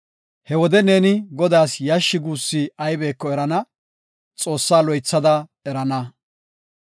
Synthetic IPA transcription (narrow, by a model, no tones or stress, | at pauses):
hɛwɔd̪ɛne̞ːnɪɡɔd̪aːsjɐʃːɪɡuːsːiɐjbe̞ːkːɔɛɾɐnɐ | t͡sʼo̞ːsːaːlɔjt͡sːɐd̪ɐɛɾɐnɐ